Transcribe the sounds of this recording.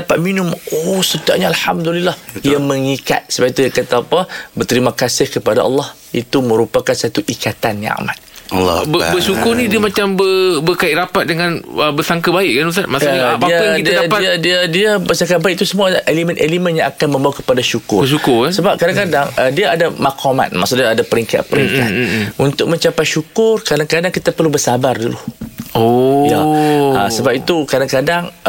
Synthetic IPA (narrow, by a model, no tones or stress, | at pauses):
dapat̪̚minʊmosət̪a̰ʔɲaalhamd̪ulilːahiaməŋika̰t̪̚səbait̪uakat̪aːpabərt̪əɾimakasɪhkəpada̰ʔɑ̰lːɑh | it̪umə̃ɾupakansat̪uʔikat̪anjã̰a̰ma̰t̪̚ːbəbəʃukʊnĩdiəmat͡ʃambəbəkaiʔɾapat̪̚dəŋãnəbəsaŋkabaɪʔkanusatmasaadaikid̪adadpaiadiadiabəsaŋkaʔ̪̚baik̚t̪usəmuaelimə̃nʔelimə̃njãŋakanmə̃mbawakə̥padaʃukʊ̰rəʃukʊsəbap̚kadaŋkadaŋədiaadamakʰoma̰t̪̚ma̰ʔsuʔdaadapəɾiŋka̰t̪̚pəɾiŋka̰t̪̚unt̪ʊk̚mə̃ɲt͡ʃapajʃukʊrkadaŋkadaŋkit̪apərlubərsabarduluojaa̰səbap̚it̪ukadaŋkadaŋ